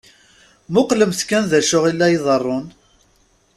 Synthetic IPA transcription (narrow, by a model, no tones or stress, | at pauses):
mʊqləmθkːænðæʃʊʁilːæjiðˤərˤːʊn